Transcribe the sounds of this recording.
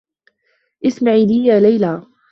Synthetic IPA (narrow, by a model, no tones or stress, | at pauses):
ʔɪsmaʕiːliːjaːlajlaː